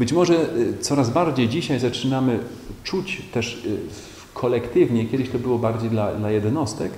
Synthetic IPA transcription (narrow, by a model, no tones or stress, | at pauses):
bɘt͡ɕmɔʐɛt̪sɔɾazbaɾd͡ʑejd͡ʑiɕajzat͡ʂɘnamɘ | t͡ʂut͡ɕt̪ɛʂ | kʰɔlɛkt̪ɘvɲɛkʲjɛd̪ɘɕt̪ɔbɘwɔbaɾd͡ʑejd̪lad̪lajɛd̪nɔst̪ɛk